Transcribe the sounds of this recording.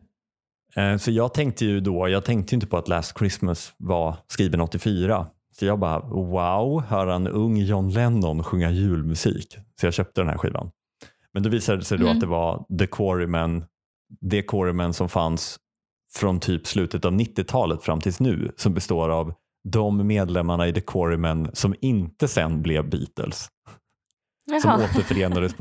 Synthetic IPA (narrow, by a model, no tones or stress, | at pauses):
sɔjɑːɡ̚t̪ʰɛŋk̚t̪əjɵd̪ɔjɑːɡt̪ʰɛŋkt̪əjʏnt̪əpʰɔat̪læːst̪̚kʰɾɪsməsvaskiːvənɔt̪ːɪfyːɾa | sɔjɑːɡ̚bɑɾa̰waʊhœːɾanɵŋːjɔnlɛnːɔnɧɵŋːajʉ̟ːlmɵsḭːksɔjɑːɕœːp̚t̪əd̪ɛnhæ̰ɾɧḭːva̰n | mɛnd̪ɔviːsad̪ɛsɛd̪ɔat̪̚d̪ɛvad̪ɛkʰɔɾɪmɛn | d̪ɛkʰɔɾɪmɛnsɔmfans | fɾɔnt̪ʰyːpslʉ̟ːt̪ət̪avnɪt̪ːɪt̪ʰɑːlət̪fɾamːt̪ʰɪlsnʉ̟ːsɔmbɛst̪oːɾav | d̪ɔmːeːd̪lɛmːaɳaɪd̪ɛkʰɔɾɪmɛnːsɔmɪnt̪əsɛ̰nblɛvbḭːt̪ə̰ls | sɔmoːt̪əɾfœɾeːnad̪əs